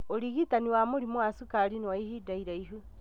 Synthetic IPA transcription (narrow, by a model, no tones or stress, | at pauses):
oɾiɣitaniwamoɾimoasukaɾinewaihidaiɾaiɦu